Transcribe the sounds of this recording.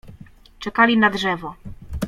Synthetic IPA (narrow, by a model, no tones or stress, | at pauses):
t͡ʂɛkalʲinadʐɛvɔ